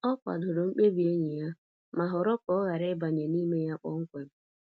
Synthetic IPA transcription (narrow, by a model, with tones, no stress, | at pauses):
ɔ˦kʷa̰˨dʊ˨ɾʊ˨ŋ͡m̩˦k͡pe˦bi˨e˦ɲe˨ja˦ | ma˨ɦʊ˨ɾɔ˦kɔ˦ɣa˨ɾɪ˦ba˨ɲe˨ni˦me˦ja˦k͡pɔ̰˦ŋ̩˦kʷe˨m̩˦